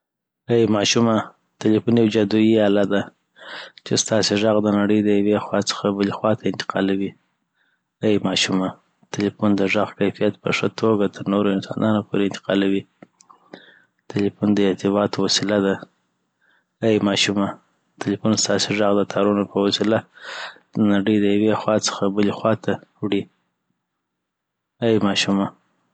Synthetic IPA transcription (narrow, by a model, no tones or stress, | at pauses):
ajmɑʃuma | t̪ɪlifunjawd͡ʒad̪ujiɑlad̪a | t͡ʃest̪ɑseʐɑɣd̪ənaɽəjd̪əjawexwɑt͡sə̥xabəlixwɑt̪ʰaɪnt̪ɪ̥qɑ̰lawi | ajmɑʃuma | t̪ɪlifund̪əʐaɣkajfijat̪̚pə̰ʂət̪ʰoɡat̪ʰəɾnoɾoɪnsɑ̰nɑnopʰoɾeɪnt̪ɪ̥qɑlawi | t̪ɪlifund̪əɪt̪ɪbɑt̪owasilad̪a | ajmɑʃuma | t̪ɪlifunst̪ɑsiʐɑɣd̪ət̪ʰɑɾunopəwasila | naɽəjd̪əjawexwɑt͡sə̥xabəlixwɑt̪ʰawɽi | ajmɑʃuma